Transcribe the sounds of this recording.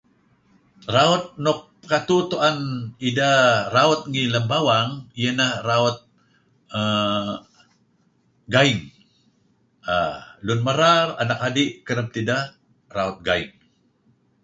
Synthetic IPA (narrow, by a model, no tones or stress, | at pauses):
raɔt̪̚nʊp̚ | kat̪ut̪uanidaraɔt̪̚ŋiləmbawaŋijənaraɔt̪̚ | a | ɡaɪŋ | alʊnmaɾara̰nakhadiʔkəɾəp̚t̪ida | raɔt̪̚ɡaɪŋ